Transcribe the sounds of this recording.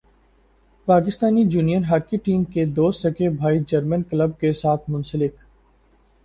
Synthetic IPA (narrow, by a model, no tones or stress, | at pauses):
paːkɪst̪aːnijuːnijənɦaːkːiʈiːmked̪oːsəkebʱaːid͡ʒəɾmənkləb̚kesaːt̪ʰmʊ̃nsəlɪk